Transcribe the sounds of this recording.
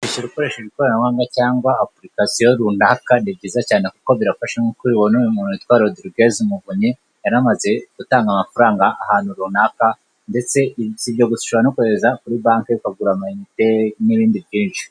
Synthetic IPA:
iʃoɾuko̞ɾe̞ːʃaβiko̞ɾanawaːŋɡacaːŋɡwaːplikasijoɾunaːkanibɟiːzacaːne̞kuko̞βiɾafaʃeŋokiiβonomuːnuit̪waːɾijodiɾiɡezimuvuɲi | jaɾamaze̞ɡ̥utaːŋɡamafuɾaːŋɡaʔːhaːn̥huɾun̥aːka | nde̞t͡se̞ziβɟo̞ɡusu̥ʃuanokuhezakuɾibaːŋkeikaɡuɾamaiiteniβiːndiβjiːnt͡ʃi̥

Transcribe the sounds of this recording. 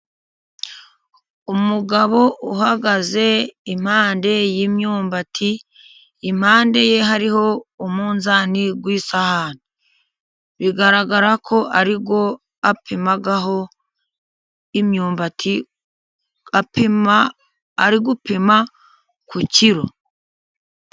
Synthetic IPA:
umuɡaβo̞ʔuhaɡaze̞im̥haːnde̞jimɲuːmbatʰiː | mhaːnde̞je̞ɦaɾiho̞umuːnzaːniɡwiːsahani | βiɡaɾaɡaɾakʰo̞ʔaɾiɡo̞ | apʰimaɡaɦo̞ | imɲuːmbatʰi | apaː | ɾiɡupima | kuciɾo̞

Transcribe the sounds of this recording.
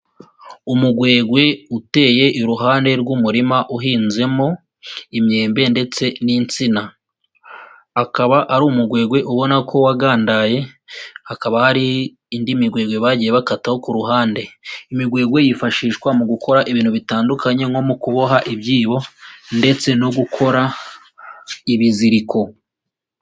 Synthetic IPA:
umuɡwe̞ːɡwe̞ute̞ːje̞ʔiɾuɦaːnde̞ɾɡumuɾimaʔuɦiːnze̞mo̞ | imɲe̞ːmbe̞nde̞t͡se̞nint͡sina | akaβaʔaɾumuɡwe̞ːɡwe̞ʔuβo̞nakʰo̞waɡaːndaje̞hakaβahaɾiː | ndimiɡwe̞ːɡwe̞βaɟije̞βakataho̞kuɾuɦaːnde̞imiɡwe̞ːɡwe̞jifaʃiːʃkwamuɡuko̞ɾaʔiβiːnhuβitaːndukaɲe̞ŋo̞mukuβoɦaʔibjiːβo̞nde̞t͡se̞noɡukʰo̞ɾa | iβiziɾiko̞

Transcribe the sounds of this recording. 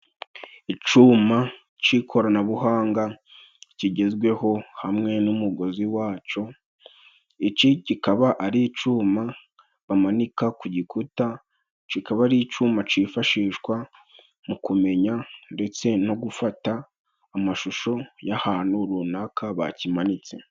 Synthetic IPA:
it͡ʃuːma | t͡ʃikʰo̞ɾanaβuɦaːŋɡa | ciɟe̞zɡwe̞ho̞hamŋe̞numuɡo̞ziwaːt͡ʃo̞ | it͡ʃicikaβaʔaɾit͡ʃuːma | βamanikakuɟikʰuta | t͡ʃikaβaɾit͡ʃuːmat͡ʃiːfaʃiːʃkwa | mukume̞ɲande̞t͡se̞no̞ɡufataː | maʃuʃo̞jahaːnuɾunakʰaβa̰cimanit͡se̞̰

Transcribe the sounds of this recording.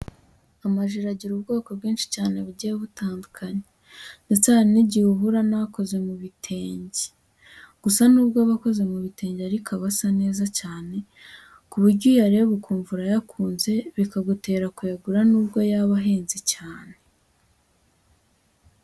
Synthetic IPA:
amaʒiɾaɟiɾubɡo̞ːko̞bɡiːnʃi̥caːne̞βuɟijeβutaːndukʰaɲe | net͡saɾiniɟiuβuɾanaako̞ze̞muβitʰe̞ːɲɟi̥ | ɡ̥usanuːbɡaβako̞ze̞muβite̞ːɲɟaɾikaβasane̞ːzacaːne̞ | kuβuɾɟujaɾeβukuːɱvuɾajakʰuːnze̞βikaɡute̞ːɾakujeɡuɾanuːbɡo̞jaβaɦe̞ːnzicaːne

